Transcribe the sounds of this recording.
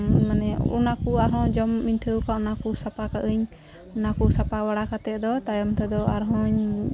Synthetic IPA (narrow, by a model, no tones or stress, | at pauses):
manɛṵnakuaɾɦɔ̃d͡ʒɔmːinʈʰəwkaunakusapakaʔəɲ | unakusapabaɽakat̪ɛʔ̚d̪ɔt̪ajɔmt̪ɛd̪ɔaɾɦɔ̃ɲ